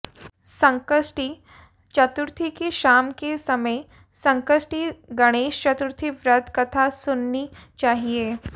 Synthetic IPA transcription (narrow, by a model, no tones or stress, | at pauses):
sə̃ŋkəsʈi | t͡ʃɐt̪uɾt̪ʰikeʃaːmkesɐməj | sə̃ŋkəsʈiɡəɽ̃eːʃt͡ʃɐt̪uɾt̪ʰiʋɾəd̪ʱkɐt̪ʰasʊnːit͡ʃaːɦie